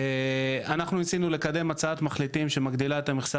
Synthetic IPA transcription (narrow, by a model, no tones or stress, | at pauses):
anaχnuisinule̞kad̪e̞mat͡saat̪maχlit̪imʃe̞maɡd̪ilaet̪ameχsa